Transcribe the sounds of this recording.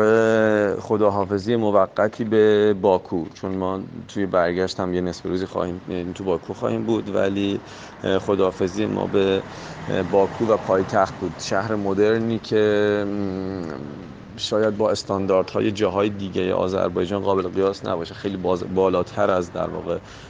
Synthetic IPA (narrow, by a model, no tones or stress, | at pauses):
eχo̞d̪ɒːɦɒːfe̞zijemovæɡːæt̪ʰiːbe̞bɒːkʰuːt͡ʃʰonmɒːt̪ʰujebæɾɟæʃt̪æmjenesbeɾuːziːxɒ̰ːhiːmt̪ʰubɒːkʰuxɒ̰ːhiːmbuːd̪væ̰liː | χo̞d̪ɒːfe̞ziːjḛmʔɒ̰ːbe̞ | bɒːkʰuːvæpʰɒːjt̪ʰæxt̪̚buːd̪̥ʃæhɾe̞mo̞d̪e̞ɾniːcʰe | ʃɒːjæd̪̚bɒːe̞st̪ɒːnd̪ɒːɾd̪̥hɒ̰ːjed͡ʒɒːɦɒːjed̪iːɟejḛʔɒ̰ːzæ̰ɾbɒːjd͡ʒɒːnɢɒːbe̞leɣijɒːsnæ̰bɒːʃexe̞jliːbzbɒːlɒːt̪ʰæɾæzd̪æ̰ɾvɒ̰ːɣe̞